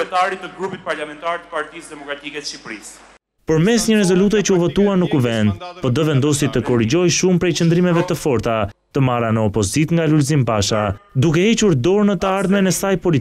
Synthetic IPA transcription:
ɛt̪aɾit̪əɡɾupit̪̚paɾlamɛnt̪aɾt̪ə̥paɾt̪isd̪ɛmɔkɾat̪ikɛʃipɾis | pəɾmɛsɲəɾɛzɔlut̪ɛt͡ʃəuvɔt̪uanəkuvɛnd̪̚pɔd̪əvɛnd̪ɔsjɛt̪əkɔɾid͡ʑɔjʃumpɾɛjt͡ɕənd̪ɾimɛvɛt̪əfɔɾt̪a | t̪əmaɾanəɔpɔzit̪ŋɡalulz̬impaʃad̪uk̬ɛhɛt͡ʃuɾd̪ɔɾnət̪əaɾðmɛnɛsajpɔlit̪

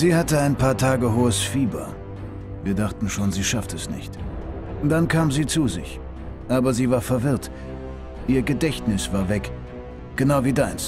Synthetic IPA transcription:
ziːhatəaɪnpʰaːɐtʰaːɡəɦoːəsfiːbɐ̰ | viːɐdaχtn̩ʃoːnziːʃaftɛsnɪ̰çt | ʊnd̥ankʰaːmziːt͡suːzɪ̰ç | ʔaːbɐziːvaːɐfɛɐvɪɐt | ʔiːɐɡədɛçtnɪsv̥aːɐvɛk | ɡ̥ənaʊviːdaɪns

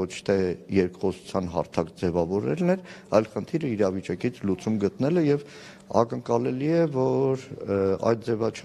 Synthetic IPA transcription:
ɔt͡ʃʰt̪ʰɛjɛɾkχɔsu̥t͡sʰjɑnɦɑ̰ɾt̪ʰɑkd͡zɛvɑvɔɾɛ̰lnɛɾɑjlχənt̪ʰiɾəiɾɑvit͡ʃɑkit͡sʰlut͡sumɡət̪nɛlɛjɛv | ɑ̰kəŋkɑlɛliɛvɔɾɑ̰jt̪̚d͡zɛvɑt͡ʃʰ

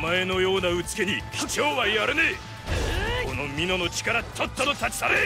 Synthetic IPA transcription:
mae̞no̞jo̞ːnaɯ̟t͡sɨ̥ke̞ɲ̟ikʰʲo̞ːβajaɾɯne | kʰo̞no̞mʲino̞no̞t͡ɕi̥kaɾat͡ɕot̪ːonot̪at͡ɕi̥saɾe

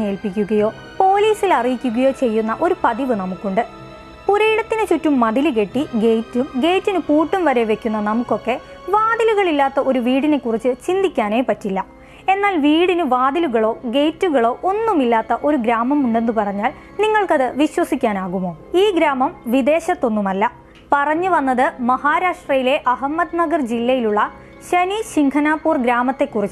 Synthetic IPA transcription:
ɲːeːlpik̬ʲːuɣɐjo̞ː | po̞ːliːsilɐrijikʲːuɣɐjo̞ːt͡ɕe̞jːunːɐʔo̞ɾupɐðiʋɨnɐmukːuɳɖɨ | puɾɐjiɽɐt̪ːinɨt͡ɕutːumːɐðilɨk̬e̞ʈːiɡe̞jtːumɡe̞jtːinɨpuːʈːumʋɐɾe̞ʋe̞kʲːunːɐnɐmukːo̞kːe̞ | ʋaːd̪iluɣɐɭilːaːt̪ːɐʔo̞ɾuʋiːɽine̞kːurit͡ɕːɨt͡ɕind̪ikʲːaːne̞ːpɐtːilːɐ | e̞nːaːlʋiːɽinuʋaːd̪iluɣɐɭo̞ːɡe̞jtːuɣɐɭo̞ːʔo̞nːumilːaːt̪ːɐʔo̞ɾuɡɾaːmɐmuɳɖe̞nːupɐrɐɲːaːl | niŋːɐɭkɐðɨʋiɕwɐsikʲːaːnaːɣumo̞ːiːɡɾaːmɐmʋid̪e̞ːɕɐt̪ːo̞nːumɐlːɐ | pɐrɐɲːuʋɐnːɐðɨmɐhaːɾaːʂʈrɐjile̞ʔɐɦɐmːɐd̪nɐɡɐrd͡ʑilːɐjiluɭːɐ | ɕɐniɕiŋkʰɐnaːpːuːrɡɾaːmɐt̪ːe̞kːurit͡ɕː

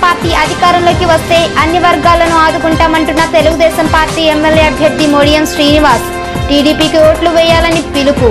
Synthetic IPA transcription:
paːɾʈiːʔɐd̪ʱikaːɾɐmlo̞ːkiʋɐst̪e̞ːʔɐnːiʋɐɾɡaːlɐnuaːd̪ukuɳʈaːmɐɳʈunːɐt̪e̞luɡud̪ɛːsɐmpaːɾʈiːemːeljeːɐbʱjɐɾd̪ʱimoːɽijɐmʃɾiːniʋaːs | ʈiːɖiːpiːkioːʈluʋɛːjaːlɐnipiluku

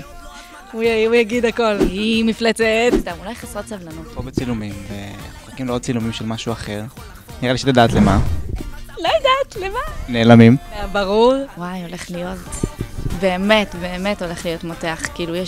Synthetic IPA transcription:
ujujaɡid̪ako̞lhimiflet͡set̪st̪amulajχasʁotsavlanot̪pobet͡silumimveoχakimliʁod̚t͡silumimʃelmaʃuaχe̞ʁ | niʁaliʃet̪ad̪aːt̪lema | lojad̪at̪lemaneːlamimbaʁuʁwajo̞le̞χlijo̞t | beːme̞tbe̞ːme̞to̞leχlijo̞tmote̞aχkiilujɛ

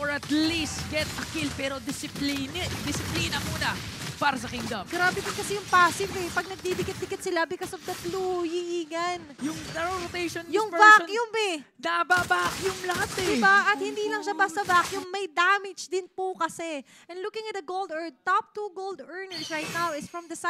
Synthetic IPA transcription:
ʔoɹɐt̪list̪̚ɡɛt̪ɐkɪlpɛːɾod̪ɪsɪplind̪ɪsɪplinɐmuːnɐpaːɾɐs̬ɐkɪŋd̪ɐvɡɾaːbɛd̪ɪnkɐsɛjʊŋpaːsɪbɛpɐɡ̚nɐɡ̚b̪ibɪɡɐt̪̚b̪ɪɡɐt̪sɪlabɪkosɔfd̪ɐt̪lujɪʔiːɡɐnjʊŋnɐɾoɾot̪ejʃɔnjʊŋbajʊmɛnɐʔɐbabakjʊŋlɐɦat̪ɛd̪ɪbaʔɐt̪hɪnd̪iːlɐŋʃabast̪ɐbakjʊŋmɐjd̪amɪd͡ʒd̪ɪnpʊkɐsɛ | ʔɛ̃nlukɪ̃ŋɐt̪̚d̪ɐɡowld̪ɛɹd̪̚t̪ɔp̚t̪uɡold̪ɛɹnɛɹsɹajt̪̚nawɪsfɹɔmd̪ɐs

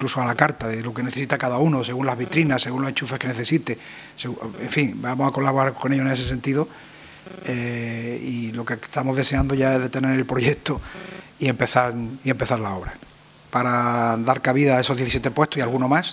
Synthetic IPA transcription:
iŋklusoalakaɾt̪aðelo̞kene̞θesit̪akaðaunose̞ɣunlazβ̞it̪ɾinase̞ɣunloe̞ɲt͡ʃufeke̞neθe̞sit̪e | seɣuḛɱfiŋbamosako̞laβo̞ɾaɾko̞ne̞ʎoene̞se̞s̬e̞nt̪iðo | eilo̞ket̪amo̞zðese̞and̪oʝae̞zðe̞t̪e̞ne̞ɾelpɾo̞ʝekt̪oie̞mpeθaɾie̞mpe̞θaɾlao̞βɾa | paɾad̪aɾkaβ̞iðae̞so̞ðje̞θisjet̪epwe̞ht̪ohialɣuno̞mas

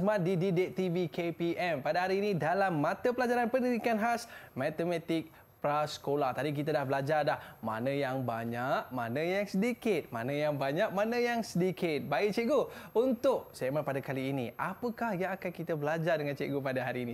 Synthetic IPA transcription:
smadididit̪ivikepiʔɛmpadaɦaɾiːnidalamːãt̪əpəlad͡ʒaɾanpəndiɾikanɦasmãt̪əmɛt̪ɪk̚ | pɾasə̥kolat̪adik̬it̪adahbəlad͡ʒardahma̰nə̃jaŋbaɲaʔ̚mãnə̃jaŋsədikɪt̪̚ma̰nãjaŋbaɲak̚mãnãjaŋsədikɪt̪̚baɪʔ̚t͡ʃeɡount̪ʊk̚samanpadakaliːniʔapəkahjaŋakankit̪abəlad͡ʒardəŋãnt͡ʃeʔɡopadaɦaɾiːni

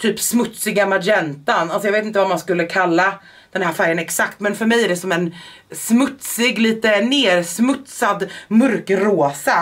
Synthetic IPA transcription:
t̪ʰyːpsmɵt̪sɪɡamajɛnt̪analsɔjɑveːt̪ɪnt̪əvamanskɵlːəkʰalːa | d̪̥ɛnhɦæːɾfæɾjənɛksakt̪mɛnfœɾmɛjæɖɛsɔmɛn | smɵt̪sɪɡliːt̪əneːɾsmɵt̪sad̪mɵɾkɾoːsa

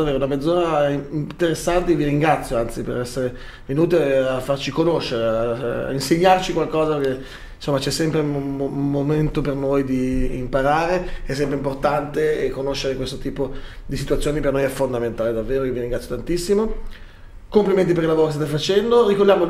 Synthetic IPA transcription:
avːeːɾounamed̪zoːɾaint̪eɾesːant̪eviɾiŋɡɾat̪sːjoant̪sipḛɾɛsːeɾe | venuːt̪eafːart͡ʃikonoʃːeɾea̰inseɲːart͡ʃikwalkɔːzak̟e | nsomːat͡ʃɛsːɛmpɾeumːoment̪opernojd̪iːmpaɾaːɾeɛs̬ːɛmpɾeimport̪ant̪eːkːonoʃːeɾekwest̪ot̪iːpo | d̪isit̪uat̪sjoːnipernojɛfːond̪ament̪aːled̪avːeːɾoviɾiŋɡɾat̪jot̪ant̪isːimo | kompliment̪ip̬eɾkːilavoːɾokst̪at̪efat͡ʃɛnd̪orikordjaːmo

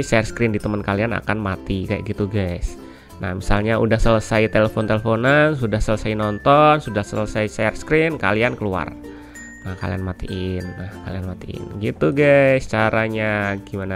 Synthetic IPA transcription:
sɛrskɾɪndit̪əmənkaliana̰kanmat̪ikaja̰ɡit̪uɡas | na̰hmisalɲaʔudahsələsait̪eləfont̪eləfonansudahsələsainɔnt̪ɔnsudahsələsaisɛrskɾɪnka̰liankəlua̰r | nahka̰lḭa̰nmat̪iʔɪnːahkalianmat̪iɪ̰nɡit̪uɡast͡ʃaɾaɲaɡimana

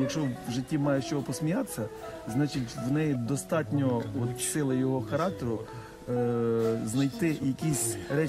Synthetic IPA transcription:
jɐkʃɔʒɪtʲːimɑjɛʃt͡ʃɔɦɔpɔsmʲijat̪e̥sʲːɐznɑt͡ʃitʲʋnɛjid̪ɔst̪ɑtʲnʲɔɔt̪sɪlˠɪjɔɦɔxɐɾɑk̚t̪eɾʊ | znɐjt̪ɪjɐkʲisʲɾɛ

